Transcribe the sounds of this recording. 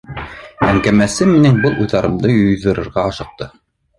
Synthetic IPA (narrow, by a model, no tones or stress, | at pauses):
æŋkæmæsɘminɘŋbɤlˠʔujðɑɾɤ̆md̪ɤjŏjðɤ̆ɾɤ̆ɾʁɑɑʃɤ̆q̚t̪ɤ